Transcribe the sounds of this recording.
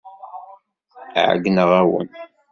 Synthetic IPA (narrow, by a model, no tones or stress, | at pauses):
ʕ̰ɡnəʁæwə̰n